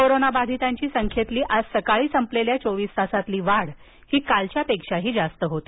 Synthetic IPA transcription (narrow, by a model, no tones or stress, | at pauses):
koɾonabad̪ʱit̪aɲt͡ɕiːsəŋkʰjet̪liːʔad͡zsəkaɭiːsəmpleljat͡soʋiːst̪asat̪liːʋaɽ | hiːkalt͡ɕjapekʂaɦiːd͡zast̪əɦot̪i̥